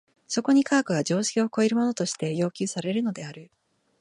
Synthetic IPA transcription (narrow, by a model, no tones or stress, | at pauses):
so̞ko̞ɲ̟ikʰaːkɯ̟ɡad͡ʑo̞ːɕi̥kʲio̞ko̞eɾɯ̟mo̞no̞t̪o̞ɕi̥t̪e̞jo̞ːkʲɨːsaɾe̞ɾɯ̟no̞d̪e̞aɾɯ̟